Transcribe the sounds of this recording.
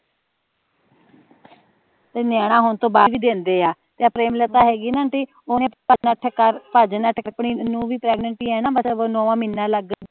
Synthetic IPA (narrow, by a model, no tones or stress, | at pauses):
t̪eːnaːɽ̃ãːɦʊnt̪õːbaːʋiːd̪eːnd̪eːaː | t̪eːapɾeːmlət̪aːɦɛːɡiːnãːʈeː | oːnẽppəd͡ʒnəʈʰkəɾpəd͡ʒnəʈʰːpɳiːnũːʋiːpɾɛːɡnəɳʈiːɛːnaːbəseːʋonɔːʋãːmɪnːãːləɡ